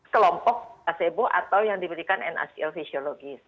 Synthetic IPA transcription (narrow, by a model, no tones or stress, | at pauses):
kəlɔmpɔk̚aseboʔa̰t̪awjaŋdibəɾikanɛ̰na̰siɛlfisioloɡɪs